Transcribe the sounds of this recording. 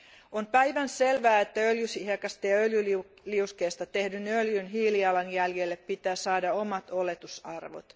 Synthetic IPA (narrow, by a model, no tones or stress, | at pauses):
onpæiʋænselʋæːet̪ːæøljysihekɑst̪eɑøljy | liuskeːst̪ɑt̪ehdynøljynɦiːliɑlɑnjæljelːeppit̪æːsɑːdɑomɑt̪olet̪usɑrʋo̰t̪